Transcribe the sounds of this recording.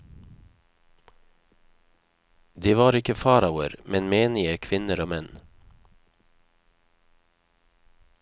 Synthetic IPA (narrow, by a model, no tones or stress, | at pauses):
d̪iːʋɑːɾɪkəfɑːɾaʊə̰ɾmʔɛnmeːnɪəkʰʋɪnəɾoːmɛn